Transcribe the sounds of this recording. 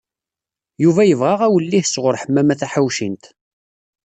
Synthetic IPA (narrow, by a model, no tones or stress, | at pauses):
juvæjəvʁaʁæwəlːihsʁʊɾħəmːæmæθæħawʃint̪